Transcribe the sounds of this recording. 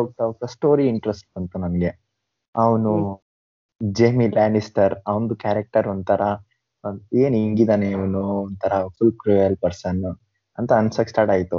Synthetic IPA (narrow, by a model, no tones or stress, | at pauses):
oɡ̚t̪aoɡ̚t̪ɐsʈoːɾiiɳʈɾesʈ̚bɐnt̪unɐmɐɡe | ɐʋɐnu | d͡ʒemilaːnisʈɐɾɐʋund̪ukaːɾɐk̚ʈɐɾond̪t̪ʰɐɾɐ | eːniŋɡid̪aːneɐʋɐnuɔnd̪t̪ʰɐɾɐfulkɾuɐlpɐɾsɐn | ɐnt̪ɐɐnsɐksʈaːɾʈaːjit̪u